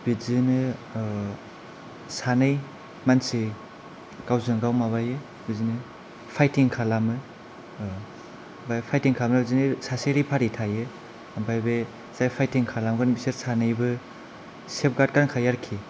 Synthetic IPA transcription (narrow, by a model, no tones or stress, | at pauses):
bizinɯ | sanɯj | mansi | kawzɯŋɡawmaβajɯ | bizinɯ | pʰajtiŋkʰalamɯ | bajpʰajtiŋkʰamnɯbizinɯsaseɾipʰaɾitʰajɯ | bajbe | zajpʰajtiŋkʰalamɡɯnbiseɾsanɯjbɯ | sep̚ɡad̚kankʰajaɾkʰi